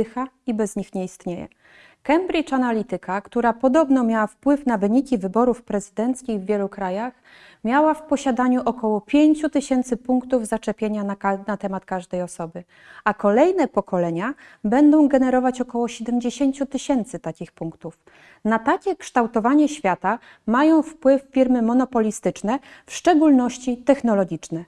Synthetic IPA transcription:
xaibɛzɲixɲɛist̪ɲejɛ̰ | kɛmbɾʲit͡ʂanalʲit̪ɘkʰakt̪uɾapɔd̪ɔbn̪ɔmʲjawafpwɘfnavɘɲikʲivɘbɔɾufpɾɛzɘd̪ɛnt̪skʲiɣvʲːjɛlukɾajax | mʲjawafpɔɕad̪aɲuʔɔkɔwɔpʲjeɲt͡ɕut̪ɘɕɛnt̪sɘpuŋkt̪uvzat͡ʂɛpʲjeɲananat̪ɛmat̪kaʐd̪ɛjɔsɔbɘ | akɔlɛjnɛpɔkɔlɛɲa | bɛnd̪ɔ̃w̃ɡɛn̪ɛɾɔvat͡ɕɔkɔwɔɕɛd̪ɛmd͡ʑeɕeɲt͡ɕut̪ɘɕɛnt̪sɘt̪akʲixpuŋkt̪uf | nat̪akʲɛkʂt̪awt̪ɔvaɲɛɕfʲjat̪a | majɔ̃w̃fpwɘfːʲiɾmɘmɔn̪ɔpɔlʲist̪ɘt͡ʂnɛfʂt͡ʂɛɡulnɔɕt͡ɕit̪ɛxnɔlɔɡʲit͡ʂnɛ

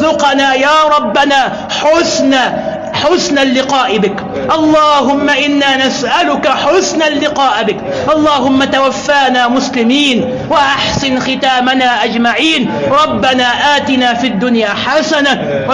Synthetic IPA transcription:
zʊqɑnaːjaːɾˤɑbːanaː | ħʊsna | ħʊsnalːɪqɑːʔɪbɪk | ʔɑlˤːɑːɦʊmːaʔɪnːaːnasʔalʊkaħʊsnalːɪqɑːʔbɪk | ʔɑlˤːɑːɦʊmːat̪awafːaːnaːmʊslɪmiːn | waʔaħsɪnxɪt̪aːmanaːʔad͡ʒmaʕiːn | ɾˤɑbːanaːʔaːt̪ɪnaːfid̪ːʊnjaːħasana | w

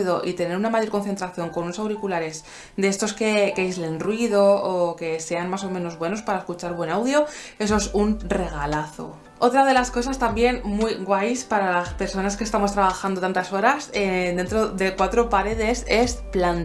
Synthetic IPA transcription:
ðo̞ʔit̪e̞ne̞ɾunamaʝo̞ɾkonθe̞nt̪ɾaθjo̞ŋko̞nunosawɾikulaɾe̞s | d̪e̞est̪o̞ske̞keizle̞nrwiðo̞ːke̞se̞anmas̬o̞mẽ̞no̞zβwe̞no̞spaɾaeskut͡ʃaɾβwe̞nawðjo̞e̞s̬oesunre̞ɣ̞alaθo̞̰ | o̞t̪ɾað̞e̞lasko̞sast̪ambje̞nmujɣwajspaɾalaspe̞ɾso̞naskest̪amo̞st̪ɾaβ̞axand̪ot̪ant̪aso̞ɾased̪e̞nt̪ɾo̞ðe̞kwat̪ɾo̞paɾe̞ðe̞se̞splan

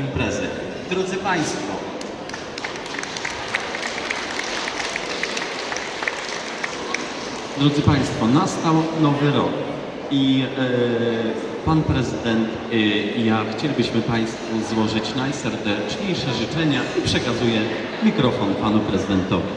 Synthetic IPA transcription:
impɾɛzɛ̰ | d̪ɾɔd̪zɘpaj̃st̪fɔ | d̪ɾɔd̪zɘpaj̃st̪fɔnast̪awnɔvɘɾɔ̰k | i | panpɾɛzɘd̪ɛnt̪ | jaxt͡ɕɛlʲibɘɕmɘpaj̃st̪fuzwɔʐɘt͡ɕnajsɛɾd̪ɛt͡ʂɲejʂɛʐɘt͡ʂɛɲaʔipʂɛkazujɛ | mʲikɾɔfɔnpanupɾɛzɨd̪ɛnt̪ɔvʲi

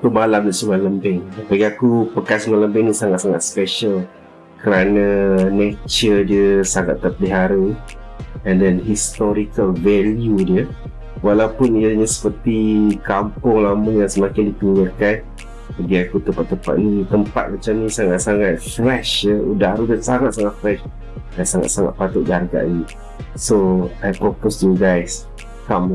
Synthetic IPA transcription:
t̪əmalamlaʔsuŋaləmbɛŋdpaɡiakupəkansuŋaləmbɛŋnisaŋat̪saŋa̰t̪̚spɛʃəl | kəɾanãnet͡ʃərdiəsaŋa̰t̪ːərpəliɦaɾə | ɛndɛnɦist̪ɔɾikəlvɛljudiə | walawpʊniəɲə̃sə̥pərt̪ikampʊŋlaməjaŋsəmakɪndit̪uɲəkan | əɡiakut̪əpat̪ːəpa̰t̪̚nit̪əmpa̰t̪̚mat͡ʃamnĩsaŋat̪̚saŋat̪̚fɾɛʃjəudaɾudansaŋat̪̚saŋat̪̚fɾɛʃ | dansaŋa̰t̪̚saŋa̰t̪̚pat̪ʊʔ̪̚darɡa̰ʔni | soajpɾoposjuɡajs | kam

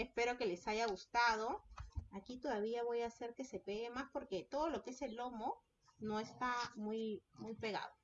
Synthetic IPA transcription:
espe̞ɾo̞ke̞le̞saʝaɣust̪að̞o̞akit̪o̞ðaβiaβo̞jase̞ɾke̞se̞pe̞ɣe̞maspo̞ɾke̞t̪oð̞o̞lo̞keese̞lo̞mo̞ | no̞e̞st̪amujmujpe̞ɣa̰ðo̞

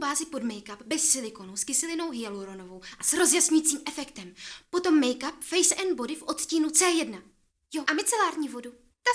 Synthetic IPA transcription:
baːzɪpo̞dmɛjkapbɛssɪlɪko̞nuskɪsɪlɪno̞wɦɪjaluɾo̞no̞vo̞wʔasɾo̞zjasɲujit͡siːmʔɛfɛkt̪ɛmpo̞t̪o̞mːɛjkapfɛjsʔɛnbo̞dɪfʔo̞t̪sciːnut͡sɛːjɛdna | joʔamɪt͡sɛlaːɾɲiːvo̞du | t̪a

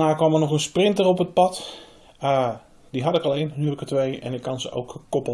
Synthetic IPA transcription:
naːkʋɑmərnɔxənsprɪntərɔpət̚pɑt | diɦɑtɪkɑlˠejnhylkətʋejɛ̰nɪkʰːɑnzəʔo̰wkkɔpə

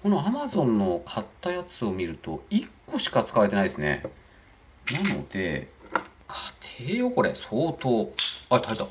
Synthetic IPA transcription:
ko̞noamazõ̞nːo̞kʰat̪ːajat͡sɨo̞mʲiɾɯ̟t̪o̞̰ikːo̞ɕi̥kat͡sɨ̥kaβaɾet̪enaid̪esɨne̞̰ | nano̞̰d̪̥e̞̰ | kʰḁt̪ʰeːjoko̞ɾe̞soːt̪oːat̪ʰaet̪a

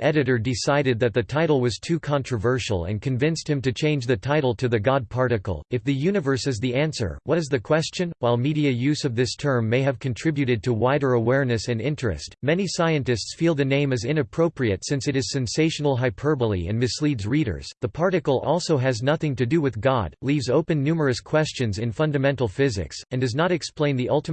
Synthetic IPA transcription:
ʔɛɾɨɾə˞dɨsaɪɾɨd̪̚ðɨt̪̚ðɨtʰaɪɾl̩ˠwʌz̥tʰʉkʰɑ̃ntɹ̥ɨvɜ˞ʃl̩ˠɨ̰̃nkʰɨ̃ɱvɪ̃nst̚hɨ̃mtɨt͡ʃʰẽɪ̃nd͡ʒðɨtʰaɪɾl̩ˠtʰɨðɨɡɑd̚pʰɑɹɾɨkl̩ˠɨfðɨjʉnɨvə˞sɨzðiæ̃nsə̰˞wʌɨzðɨkʰw̥ɛst͡ʃɨ̃nwaɪlˠmiɾiɨjʉzʌvðɪstʰɜ̃˞mːeɪɨv̥kʰɨ̃n̩tʰɹ̥ɪbjʉɾɨd̚tʰɨwaɪɾə˞əwɛɹnɨsɨ̃nɪ̃nt͡ʃɹ̥ɨ̰stmɛnisaɪɨ̃ntɨstsfilˠðɨnẽɪ̃mɨzɪ̃nɨpʰɹ̥oʊpɹiɨtsɪ̃nsɨɾɨz̥sɛ̃nseɪʃnl̩ˠɦaɪpʰɜ˞bəl̩ˠiɨ̰̃nmɨslidzɹiɾə̰˞z̥ðəpʰɑɹɾɨkl̩ˠɔlˠsoʊɨznʌθɪ̃ŋtɨdɨwɨðɡɑ̰d̥livzoʊpɨ̃nːʉmə˞ɨskʰw̥ɛst͡ʃɨ̃nzɨ̃nfʌ̃ndɨmɛ̃ntˡl̩ˠfɪzɨ̰ksɨ̃ndʌznəɾɨksplẽɪ̃nðiʔʌlˠtə

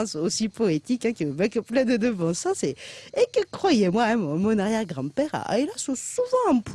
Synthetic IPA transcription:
sosipɔet̪ikɛ̃kəbɛ̃kəplɛ̃d̪əd̪əvɑ̃sasɛekəkχwajemwaɛmɔmɔ̃naʁjɛʁɡʁɑ̃pɛʁa̰ʔa̰elasɔ̃suvɑ̃ɛ̃p

